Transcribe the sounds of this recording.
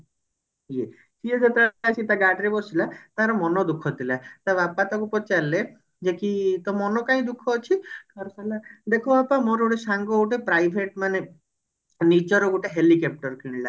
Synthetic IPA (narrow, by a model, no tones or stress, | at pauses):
je | sied͡ʒet̪asʰit̪aɡaʈɾebɔsilat̪aɾɔmɔnɔd̪ukʰɔt̪ʰilat̪abapat̪ɔkupɔt͡ʃalːe | d͡ʒekit̪ɔmɔnɔkãĩd̪ukʰɔːt͡ʃʰikʰɔɾselad̪ekʰɔbapamɔɾoʈesaŋɡɔɡuʈepɾajbʱeʈmane | nit͡ʃɔɾɔɡuʈeɦelikep̚ʈɔɾkiɽ̃la